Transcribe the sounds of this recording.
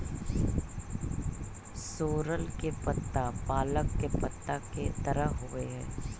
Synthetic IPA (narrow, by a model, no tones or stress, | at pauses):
soːɾəlkepɐt̪ːapaːləkːepɐt̪ːaket̪ɐɾəɦoɡəeɦɛː